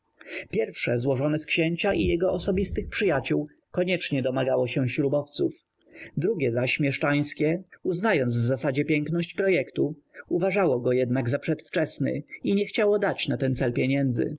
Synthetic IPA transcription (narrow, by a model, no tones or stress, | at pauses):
pʲjɛɾfʂɛzwɔʐɔnɛskɕɛɲt͡ɕaʔijɛɡɔʔɔsɔbʲist̪ɘxpʂɘjat͡ɕuw | kɔɲɛt͡ʂɲɛd̪ɔmaɡawɔɕɛɕlubɔft̪sṵf | d̪ɾuɡʲɛzaɕmʲjɛʂt͡ʂaj̃skʲɛuznajɔnd̪zvzasad͡ʑɛpʲjɛŋknɔɕt͡ɕpɾɔjɛkt̪uuvaʐawɔɡɔjɛd̪naɡzapʂɛt̪ft͡ʂɛsnɘ̰iɲɛxt͡ɕawɔd̪at͡ɕnat̪ɛnt̪sɛlpʲjeɲɛnd̪zɘ̰